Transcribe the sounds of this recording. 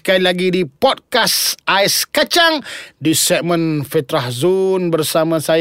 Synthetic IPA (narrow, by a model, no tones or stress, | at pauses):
kajlaɡidipɔd̚kasaɛskat͡ʃaŋdisɛʔ̚mə̃nfɛt̪ɾahzunbərsamãsa